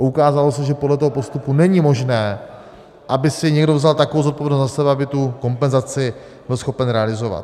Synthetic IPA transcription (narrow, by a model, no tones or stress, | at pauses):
ukaːzalosɛʒɛpodlɛt̪oɦo̞po̞st̪upunɛɲimo̞ʒnɛː | ʔabɪsɪɲɛɡdo̞vzalt̪akovowzot̪̚povjɛdnost̪zasɛbɛabɪt̪uko̞mpɛnzat͡sɪ | bɪlsxo̞pɛnɾɛalɪzo̞va̰t̪